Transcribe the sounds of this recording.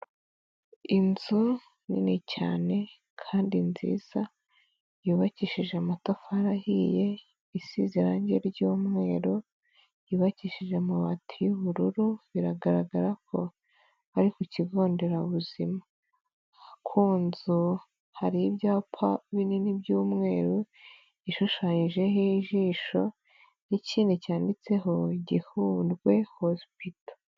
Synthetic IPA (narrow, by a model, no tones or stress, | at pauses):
inzu | nḭnicaːne̞ | kʰaːndinzḭːz̥a | juːβaciʃiʒeamatofaɾahije̞ | isizeɾaɲɟeɾɟoːmŋe̞ːɾo | jiːβaciʃiʒe̞muβatʰijuβuɾuɾuβiɾaɡaɾaɡaɾakʰo̞̰ | aɾikuciɡo̞ːnde̞ɾauβuzima | akʰuːnzu | haɾiibjaːpʰaβininibɟuːmŋe̞ːɾo | iʃuʃaːɲiʒe̞ɦiʒiːʃo̞ | nicʰiːnecaːndit͡se̞ɦo̞iɟihuːndɡwe̞hospito̥